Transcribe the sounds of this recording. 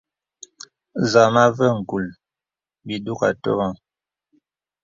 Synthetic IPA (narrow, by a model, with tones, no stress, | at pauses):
za˨ma˦və˦ŋ̩˨ku˨l | bi˨du˦ka̰˨tɔ̰˦ɣa˦˨ŋ